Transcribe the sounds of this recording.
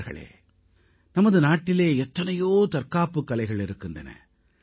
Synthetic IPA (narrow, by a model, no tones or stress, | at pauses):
ɾɣɐ̰ɭḛː | nɐmɐðɯnaːʈːɪleːɛt̪ːɐnɐjoːt̪ɐɾkaːpːɯkːɐlɐɪɣɐɭɪɾɯkːɯndɐnɐ̰